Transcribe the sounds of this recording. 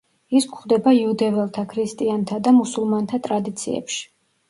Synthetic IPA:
iskʷχd̪ɛbaiud̪ɛvɛlˠt̪ʰakʰɾist̪ʼiant̪ʰad̪amusulˠmant̪ʰat̪ʼɾad̪it̪sʰḭɛ̰pʃi̥

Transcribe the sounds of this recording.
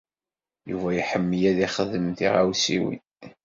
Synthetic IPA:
juvæjiħəmːəjæðiχəðəmθḭʁawsḭwḭn

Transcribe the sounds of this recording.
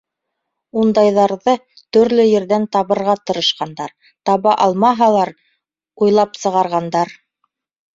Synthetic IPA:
und̪ɑjðɑɾðɤ | t̪ɵ̆ɾlɵjɘ̆ɾðænt̪ɑβɤ̆ɾʁɑt̪ɤ̆ɾɤ̆ʃqɑnd̪ɑɾ | t̪ɑβɑʔɑlˠmɑɦɑlˠɑɾ | ujlˠɑpsɤ̆ʁɑɾʁɑnd̪ɑɾ

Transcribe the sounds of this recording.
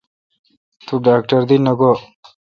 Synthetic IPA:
t̪uɖaːk̚ʈɐɾd̪inɐɡo

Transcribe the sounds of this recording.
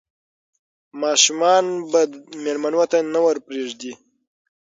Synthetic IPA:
mɑːʃumɑnbad̪melmanwat̪anawəɾpɾeʐd̪i

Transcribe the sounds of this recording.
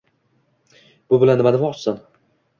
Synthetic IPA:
b̥ʊbɪlanːɪmanɪmɒt͡ʃsan

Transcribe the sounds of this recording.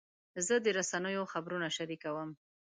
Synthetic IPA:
zəd̪əɾasanəjoxabɾunaʃaɾikawəm

